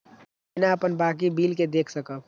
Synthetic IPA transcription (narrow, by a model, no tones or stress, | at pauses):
naəpənbaːk̬ibiːlked̪eːkʰsəkə